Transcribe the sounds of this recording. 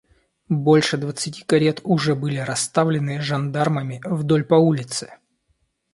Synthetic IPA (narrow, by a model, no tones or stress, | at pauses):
bolʲʂɨd̪vət̪sɨtʲi̥kɐɾʲet̪ʊʐɛbɨlʲɪɾɐst̪avlʲɪnɨʐɐnd̪arməmʲɪvd̪o̞lʲpɐulʲɪt̪sɨ̥